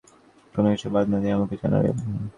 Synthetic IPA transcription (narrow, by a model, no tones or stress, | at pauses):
konokit͡ɕʰːubad̪nad̪iamaket͡ʃa̰na̰ɾḛb